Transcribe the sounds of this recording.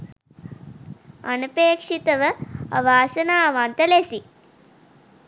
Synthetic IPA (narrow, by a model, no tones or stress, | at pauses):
ɐ̰nupeːkʂit̪ɐʋɐɐ̰ʋaːsɐnaːʋaːnt̪ɐlesi